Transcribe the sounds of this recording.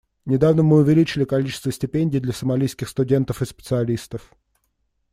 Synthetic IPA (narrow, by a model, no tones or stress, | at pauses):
nʲɪd̪avnəmɨʊvʲɪlʲit͡ɕɪlʲɪkɐlʲit͡ɕɪst̪vəsʲtʲɪpʲenʲdʲijd̪lʲəsəmɐlʲijskʲɪxst̪ʊdʲe̞nt̪əfɨspʲɪ̥t̪sɨɐlʲist̪əf